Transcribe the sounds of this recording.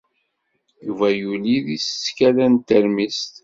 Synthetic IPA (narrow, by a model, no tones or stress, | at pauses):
juvæjuliðisəːkælænt̪ːəɾmist̪